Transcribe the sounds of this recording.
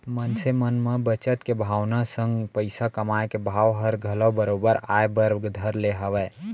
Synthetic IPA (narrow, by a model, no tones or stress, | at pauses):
mənsemənmẽbət͡ʃət̪kebʱaːwnasə̃ŋɡpəɪsakəmaekebʱaːwɦəɾɡʱələwbəɾobəɾa̰ːebəɾɡd̪ʱəɾleɦəʋɛ